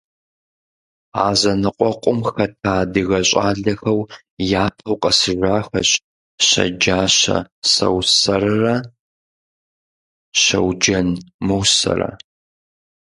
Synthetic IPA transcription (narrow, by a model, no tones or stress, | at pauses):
aːzɐnɨqʷʼɔqʷʼʊmxɐtʰaːdɨɣɐɕʼaːɮɐxɐw | jaːtʰɐwqʼɐsɨʒaːxɐɕʼ | ɕɐ̰d͡ʒaːɕɐ̰sɐ̰wsɐrɨrɐ | ɕɐwd͡ʒɐnmɨwsɐ̰rɐ̰